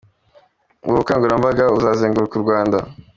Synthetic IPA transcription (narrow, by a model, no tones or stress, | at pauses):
ɡukaːŋɡuɾambaɡauzaːzeːŋɡuɾukuɾɡwaːnda